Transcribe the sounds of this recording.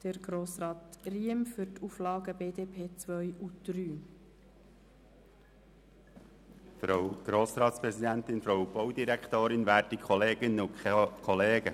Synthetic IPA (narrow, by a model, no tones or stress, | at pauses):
d̪̥əɾɡ̥ɾoːsɾɑːt̪riəmfʏtʰuflɑːɡəbeːdeːpʰeːt͡sʋœjud̪̥ɾyː | fɾoɡ̥ɾoːsɾɑːt̪spɾɛzid̪ɛnt̪ɪnfɾowb̥ɔwd̪iɾækʰt̪oːɾɪnʋæːɾtikʰɔleːɡənʊkkʰɔleːɡ̥ə